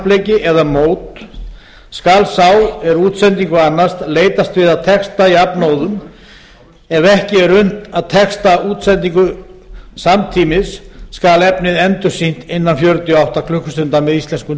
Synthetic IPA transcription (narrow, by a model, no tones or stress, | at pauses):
pleːjcɪʔɛðamoːwt̪ | skalsaːwɛɾuːt̪sɛnt̪iŋkʏanːast̪leːjt̪ast̪vɪðaðt̪ʰɛkst̪aiapnoːwðʏm | ɛvɛhcɪɛɾʏn̥t̪aðt̪ʰɛkst̪auːt̪sɛnt̪ːiŋkʏ | samt̪ʰiːmɪsːkalɛpnɪðɛnt̪ʏsin̥t̪ɪnːanfjœɾt̪jɔawht̪akʰlʏhkːʏst̪ʏnt̪amɛðisɛnskʏ